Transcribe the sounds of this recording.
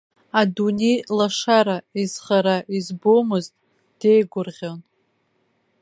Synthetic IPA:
adune̞jlaʂaɾaiz̥χaɾaʔizbomɨztʼ | d̥e̞jɡʷʊrʁʲon

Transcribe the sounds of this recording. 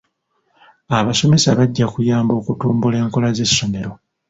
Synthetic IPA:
aβaso̞me̞saβaɟːakujaːmbo̞ːkutuːmbule̞ːŋko̞laze̞sːo̞me̞ɾo̞

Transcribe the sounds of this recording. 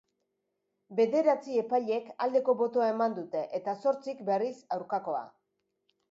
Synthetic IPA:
be̞ðe̞ɾat͡sie̞paʎe̞kald̪e̞ko̞βo̞t̪oaemand̪ut̪e̞ʔet̪aso̞ɾt͡sikbe̞risawɾkako̞a̰

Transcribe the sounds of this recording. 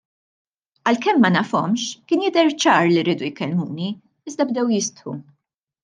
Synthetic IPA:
ɐlkɛmːɐnɐfɔ̰mʃkɪːnjɪd̪ɛɾt͡ʃɐːɾliɾiːd̪ujkɛlmuːni | ɪzd̪ɐbd̪ɛwjɪst̪ħṵ

